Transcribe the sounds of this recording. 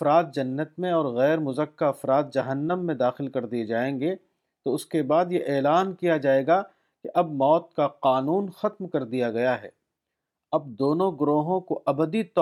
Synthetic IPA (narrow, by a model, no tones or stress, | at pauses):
ɐfɾaːt̪̚d͡ʒɐnːət̪mẽɔːɾɣɛːɾmʊzəkːaɐfɾaːt̪̚d͡ʒɐɦənːəmːẽd̪aːxɪlkɐɾd̪ied͡ʒaːẽːŋɡe | t̪oʊskebaːd̪jeʔɛːlaːnkijad͡ʒaːeːɡa | keʔɐbmɔːt̪̚kaqaːnuːnxɐt̪mkɐɾd̪ijaɡɐjaɦɛ̰ː | ɐb̚d̪oːnõɡɾoːɦõkoʔɐbəd̪it̪ɔ